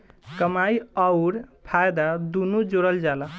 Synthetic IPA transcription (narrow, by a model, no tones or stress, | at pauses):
kəmaiəʊɾpʰajd̪ad̪unud͡ʒoɾəld͡ʒalə